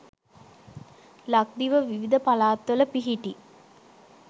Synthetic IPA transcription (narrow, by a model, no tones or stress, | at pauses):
lak̚d̪iʋəʋiʋid̪əpalaːt̪ʋələpiɦiʈi